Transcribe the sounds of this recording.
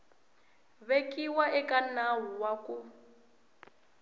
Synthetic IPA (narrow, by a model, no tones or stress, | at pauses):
βekʼiwaʔɛkanaɦuwaku